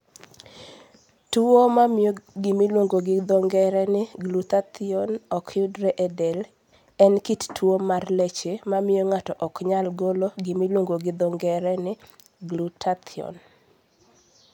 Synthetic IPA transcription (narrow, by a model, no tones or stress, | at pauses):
tuomamoɡɪmiloŋɡoɡɪd̪ɔŋɡɛɾɛnɪɡlutat̪ʰɪɔnɔkʰjʊdɾɛʔɛdɛl | ɛnkittwomarlɛt͡ʃemamɪjoŋatɔʔɔkɲalɡoloɡɪmilwoŋɡoɡɪd̪ɔŋɡɛɾɛnɪ | ɡlutʰat̪ʰiɔ̰n